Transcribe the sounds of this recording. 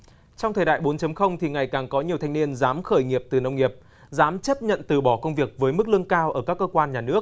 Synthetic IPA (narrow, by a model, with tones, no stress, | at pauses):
t͡ɕɔ˧wŋ͡mt̪ʰəː˨˩jɗa̰ː˧˨jɓo˨˦nt͡ɕə˨˦mxə˧wŋ͡mt̪ʰi˨˩ŋa˨˩jkaː˨˩ŋkɔ˨˦ɲi˨˩əwt̪ʰa˧jŋ̟ni˧ənzaː˨˦mxəː˧˩jŋi˨˩əp̚t̪ɨ˨˩nə˧wŋ͡mŋi˨˩əp̚ | zaː˨˦mt͡ɕə˦˥p̚ɲə̰˧˨nt̪ɨ˨˩ɓɔ˧˩kə˧wŋ͡mvi˨˩ək̚vəː˨˦jmɨ˦˥k̚lɨ˧əŋkaː˧wʔəː˧˩kaː˦˥kːəː˧kwaː˧nɲaː˨˩nɨ˦˥ək̚